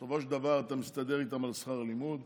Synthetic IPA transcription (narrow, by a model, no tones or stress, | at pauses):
sovoʃed̪avaʁat̪amist̪ad̪eʁit̪amalsχaʁalimud̪